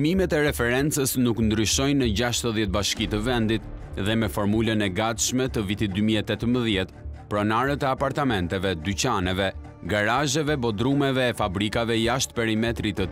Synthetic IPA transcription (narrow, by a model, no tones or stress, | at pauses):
mimɛt̪ɛɾɛfɛɾɛnt͡səsnuknd̪ɾyʃɔjnəd͡ʑaʃt̪əðjɛt̪̚baʃkit̪əvɛnd̪it̪ðɛmɛfɔɾmulənɛɡat̪ʃmɛt̪əvit̪it̪̚d̪ymiɛt̪ɛt̪əməðjɛt̪pɾɔnaɾət̪ɛapaɾt̪amɛnt̪ɛvɛd̪yt͡ɕanɛvɛ | ɡaɾaʒɛvɛbɔd̪ɾumɛvɛːfabɾikavɛjaʃt̪pɛɾimɛt̪ɾit̪ə